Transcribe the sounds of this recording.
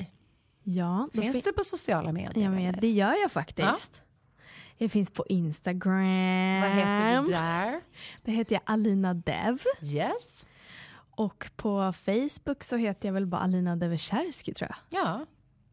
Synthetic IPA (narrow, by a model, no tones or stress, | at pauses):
jɑːd̪ɔɪnsd̪ɛpɔsʊsɪɑːlamḛːd̪d̪ɛjœːɾjɑːfakt̪ɪst̪ | jɑfɪnspʰɔʔɪnst̪aɡɾavaɦeːt̪əɛm | d̪̥ɔɦeːt̪əɾjaʔaliːnad̪ɛ̰vjɛs | ʔɔkːpʰɔfɛjsbɵksɔɦeːt̪əɾjɑvɛlbɑ̰ʔa̰liːnad̪ɛvəʂæɾskɪt̪ʰɾṵːja̰ɑː